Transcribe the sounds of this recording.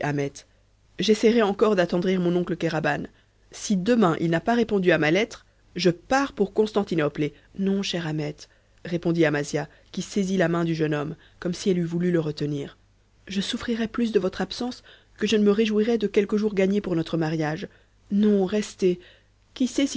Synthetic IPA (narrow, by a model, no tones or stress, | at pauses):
amɛt̪ | ʒesɛʁɛɑ̃kɔʁd̪at̪ɑ̃d̪ʁiʁmɔ̃nɔ̃kləkaʁaban | sid̪əmɛ̃ʔḭlnapaʁepɔ̃d̪yamalɛt̪χ | ʒəpaʁpuʁkɔ̃st̪ɑ̃t̪inɔple | nɔ̃ʃɛʁamɛt̪ | ʁepɔ̃d̪iamazja | kʲisezilamɛ̃d̪yʒənɔm | kɔmsiɛlyvulyləʁət̪əniːʁ | ʒəsufχiʁɛplys̬d̪əvɔt̪χapsɑ̃s | kəʒənəməʁeʒwiʁɛd̪əkʲɛlkəʒuʁɡaɲepuʁnɔt̪χəmaʁjaʒ | nɔ̃ʁɛst̪e | kʲisɛs